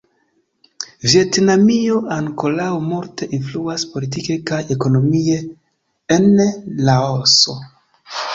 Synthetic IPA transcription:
vje̞tnamio̞ʔaŋko̞lawmuɾte̞ʔinfluaspo̞lit̬ikekajeko̞no̞mieː | nlaoso̞

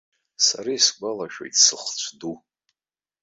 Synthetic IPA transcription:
sa̰ɾisɡʷalaʃᶣo̰jtʼsɨχt͡ɕʷʰdu

